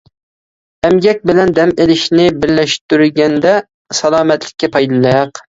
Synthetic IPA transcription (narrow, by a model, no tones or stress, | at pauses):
ɛmɡʲɛk̚ʲbɪlɛnd̪ɛmelɪʃnɪbɪɾlæʃt̪yɾɡʲɛnd̪ɛ | sɑlˠɑːmɛt̪ʰlɪkʲːɛpʰɑjd̪ɨlˠɑjɑq